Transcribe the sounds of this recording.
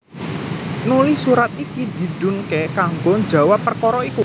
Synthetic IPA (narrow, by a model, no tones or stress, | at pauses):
nulɪhsuɾat̪̚ikid̪̥i̤ɖ̥ṳnkɛkaŋɡoɲd͡ʒa̤wapːərkɔɾɔiku